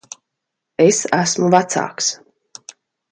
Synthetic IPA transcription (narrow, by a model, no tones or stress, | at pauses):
esæsmuvat̪sa̰ːks